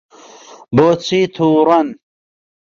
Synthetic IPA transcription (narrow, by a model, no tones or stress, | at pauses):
boːt͡sʰiːt̪ʰuːɾɐn